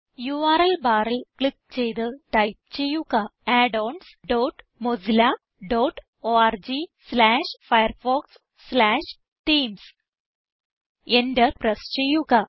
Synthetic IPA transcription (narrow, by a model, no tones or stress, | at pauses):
juʋaːɾɐlbaːɾɐlkɭik̚t͡ɕejd̪ɨʈɐjp̚t͡ɕejuɣaaːɖoːnsɖoːʈ | mod͡zla | ɖoːʈ | oːaːɾd͡ʑislaːʂfɐjɐɾfoːksː | laːʂ | ʈiːms | endɐɾpɾɐst͡ɕejuɣa